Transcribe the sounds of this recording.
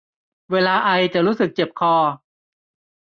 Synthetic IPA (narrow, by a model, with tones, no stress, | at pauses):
weː˧laː˧ʔa˧jt͡ɕa˨˩ɾuː˦˥sɯ˨˩k̚t͡ɕe˨˩p̚kʰɔː˧